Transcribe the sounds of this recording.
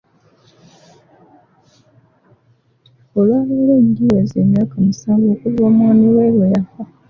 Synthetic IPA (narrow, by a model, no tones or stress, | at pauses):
olwaːβoleːnɡiwazeːmjaːkamisaːmɡoːkuzoːmwaniweːlojafa